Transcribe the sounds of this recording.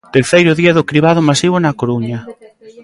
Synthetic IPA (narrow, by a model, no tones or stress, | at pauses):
t̪eɾθejɾʊðiaðʊkɾiβað̞ʊmasiβ̞onakoɾuɲa